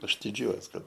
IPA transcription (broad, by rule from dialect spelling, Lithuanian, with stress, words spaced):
ˈɐʃ dʲɪˈd͡ʒʲuɔjuɔs ˈkɐt